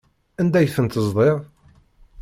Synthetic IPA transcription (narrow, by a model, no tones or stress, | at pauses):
ænd̪æjfənt̪əzðˤeʁ